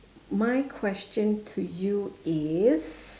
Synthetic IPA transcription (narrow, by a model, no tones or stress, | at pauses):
maɪkʰw̥ɛst͡ʃə̃ntʰujuɪz̥